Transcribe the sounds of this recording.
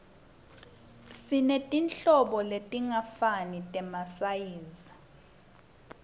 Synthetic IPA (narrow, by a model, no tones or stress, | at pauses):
sinetʼinɬɔɓɔletʼiŋafanitʼɛmasajiːzi